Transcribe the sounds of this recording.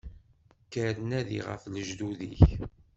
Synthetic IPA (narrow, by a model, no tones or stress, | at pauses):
kːəɾənæðḭʁə̰fləʒd̪uðḭç